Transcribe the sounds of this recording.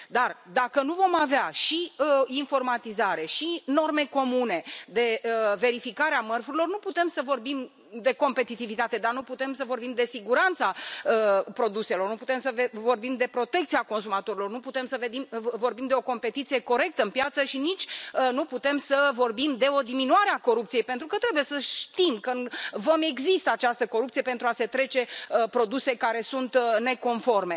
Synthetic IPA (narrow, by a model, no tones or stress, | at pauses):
d̪ard̪akənuvo̞maveaʃiəinfo̞rmat̪izaɾe̞ʃino̞rme̞ko̞mune̞d̪e̞ve̞ɾifikaɾeamərfuɾilo̞rnuput̪e̞msəvo̞rbim | d̪e̞ko̞mpe̞t̪it̪ivit̪at̪e̞d̪arnuput̪e̞msəvo̞rbimd̪e̞siɡuɾant̪saəpɾo̞d̪use̞lo̞rnuput̪e̞msəvevo̞rbimd̪e̞pɾo̞t̪e̞kt̪siako̞ns̬umat̪o̞ɾilo̞rnuput̪e̞msəve̞d̪imvo̞rbimd̪e̞o̞ko̞mpe̞t̪it̪sije̞ko̞ɾe̞k̚t̪əɨnpjat̪səʃinit͡ʃʲnuput̪e̞msəvo̞rbimd̪e̞o̞d̪iminuaɾeako̞ɾup̚t̪sije̞jpent̪ɾukət̪ɾe̞buje̞səʃt̪imkəvome̞ɡzist̪əat͡ʃast̪əko̞ɾup̚t̪sije̞pent̪ɾuase̞t̪ɾe̞t͡ʃe̞pɾo̞d̪use̞kaɾe̞sunt̪ne̞ko̞nfo̞rme̞